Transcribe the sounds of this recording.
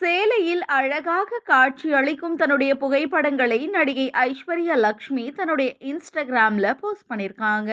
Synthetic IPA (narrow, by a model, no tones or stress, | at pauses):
seːlɐjɪlɐɻɐɣaːɣɐkaːʈ̚t͡ʃiɐɭɪkːɯmt̪ɐnːɯɽɐjɐpʊɣɐɪpːɐɽɐŋɡɐɭɐɪnɐɽɪɣɐɪʔɐɪʂʋɐɾɪjɐlɐkʂmit̪ɐnːɯɽɐjɐʔɪnsʈɐɡɪɾaːmlɐpoːsʈ̚pɐɳːɪɾkaːŋɡɐ